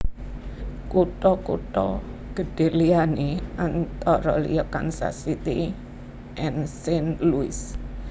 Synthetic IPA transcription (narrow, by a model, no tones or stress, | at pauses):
kuʈɔkuʈɔ̰ɡ̥ə̤ɖ̥e̤rlianeʔant̪ɔɾɔlḭjɔka̰nsa̰sit̪ḭ | ʔɛnsɪnluɪs